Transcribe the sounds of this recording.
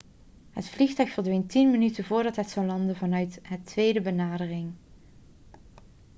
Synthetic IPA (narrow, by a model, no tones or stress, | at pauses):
ɦətflixtœɥxfəɹdʋejntinmənytəvʊːɹdɑtɦətsɑwlɑndənvɑnœɥtɦətʋejdəbənaːdərɪŋ